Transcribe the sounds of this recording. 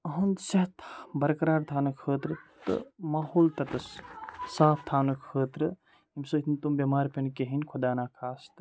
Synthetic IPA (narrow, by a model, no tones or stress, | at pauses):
ɐɦɐnd̪sɐɦt̪ʰbɐɾkɾaːɾt̪ʰaːnɐkʰəːt̪ɾɨt̪ɨ̰maːɦoːlt̪ɐt̪ɐssaːp̚ʰt̪ʰaːnɐkʰəːt̪ɾɨ | imsɨt̪ʰnt̪umbemaːɾpɐnkeɦinʲkʰud̪aːnaːkʰaːst̪